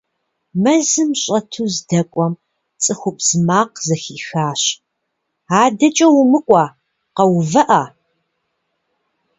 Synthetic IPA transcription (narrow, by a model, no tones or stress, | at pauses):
mɐzɨmɕʼɐtʰuːzdɐkʷʼɔm | t͡sʼɨxʷʊpʼz̥maːqzɐxiːxaːɕ | aːdɐt͡ʃʼɐwʊmɨkʷʼɑː | qɐwvɐʔa